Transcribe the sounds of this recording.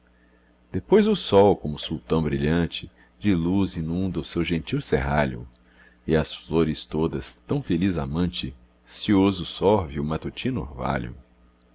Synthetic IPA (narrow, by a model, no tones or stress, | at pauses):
d̪̥epojzʊsɔwkõmʊsuwt̪ɐ̃w̃bɾiʎɐ̃t͡ʃɪ | d͡ʒɪluzĩnũnd̪ɐʊsewʒẽnt͡ʃiwseɦaʎʊ̰ | ɪɐsfloɾɪst̪od̪ɐst̪ɐ̃w̃feliza̰mɐ̃nt͡ʃɪ | siozʊsɔɾvɪʊmat̪ut͡ʃĩno̰ɾva̰ʎʊ̰